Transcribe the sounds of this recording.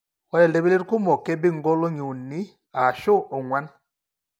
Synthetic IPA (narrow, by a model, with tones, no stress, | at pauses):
wa˦lɛ˨ndɛ˦βi˦le˦ɾku˦mɔ˨kɛ˦bi˦ŋɡɔ˦lɔ˦ɲu˨ni˦ | a˨ʃɔ˦ɔ˨ŋwa˦na˦